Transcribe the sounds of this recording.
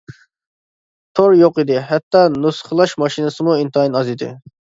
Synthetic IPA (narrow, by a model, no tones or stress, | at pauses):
t̪ʰoɾjoqid̪ɪɦɛt̪ːɑnusχəlˠɑʃmɑʃinɨsɨmuint̪ɑinɑzid̪ɪ̰